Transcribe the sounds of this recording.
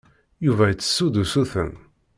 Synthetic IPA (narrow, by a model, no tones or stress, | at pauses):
juvæjət͡sːə̥sːud̪usuθə̰m